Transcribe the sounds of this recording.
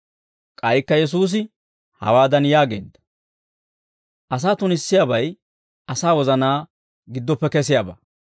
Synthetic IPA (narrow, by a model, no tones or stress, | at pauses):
kʼɐjkːɐjɛs̬uːs̬ɪ | hɐ̰waːd̪ɐnjaːɡeːd̪ɐ̥ | ʔɐs̬aːt̪ʊnɪsːɪjabɐj | ɐsaːwɔzɐnaː | ɡɪd̪ːɔpːɛkɛs̬ɪjaːbɐ̰